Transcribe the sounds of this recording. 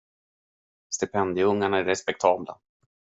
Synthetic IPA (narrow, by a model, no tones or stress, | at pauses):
st̪ɪpʰɛnd̪ɪɵŋːaɳaæɾːɛspɛk̚t̪ʰɑːbla̰